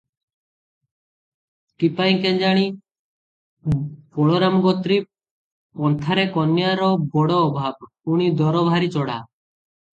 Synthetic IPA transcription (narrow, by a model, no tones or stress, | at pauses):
ʈipajŋkɛnd͡ʒaɽ̃i | pɔɽɔɾamɡɔt̪ɾi | pɔnt̪ʰaɾekɔnːjaɾɔbɔɽɔːbʱab̚ | uɽ̃id̪ɔɾɔbʱaɾit͡ʃɔɽa̰